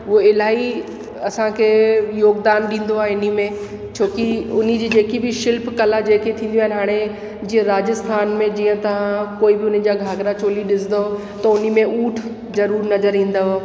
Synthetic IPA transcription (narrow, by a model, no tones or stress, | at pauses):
ʊoɪlaːɦi | ɐsãkʰejoːɡd̪aːnɗĩːn̆d̪oaːɪnimẽ | t͡ɕʰoːkiʊnid͡ʑiːd͡ʑeːkibɪʃɪlpkɐlad͡ʑeːket̪ʰĩːnd̪ijaːɪnɪɦaːɽ̃e | d͡ʑiːə̃ɾaːd͡ʑəst̪ʰaːnmẽd͡ʑiːə̃t̪ɐʋ̤ãkoːibɪʊnən̆d͡ʑaːɡʱaːɡɾat͡ɕoːliɗɪsd̪o | t̪ɐʊnimẽuːʈʰ | zɐɾuːɾnɐzəɾĩːn̆d̪ao